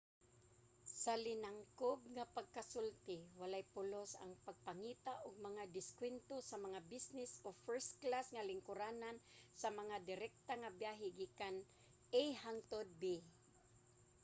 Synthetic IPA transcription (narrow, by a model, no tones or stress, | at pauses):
salɪnaŋkob̚ŋapaɡ̚kasʊlt̪ɪwalajpʊlosa̰ŋpaɡ̚paŋiːt̪aʔʊɡ̚maŋad̪ɪskwɛnt̪osamaŋabisnɪsofɛɹst̪klasŋalɪŋkʊɾanansamaŋad̪ɪɾɛk̚t̪aŋabjaɦɪɡiːkan | ejhaŋt̪od̪̚bi